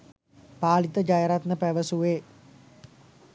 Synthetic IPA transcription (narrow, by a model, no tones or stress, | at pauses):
paːlit̪əd͡ʒajəɾat̪nəpæʋəsuʋeː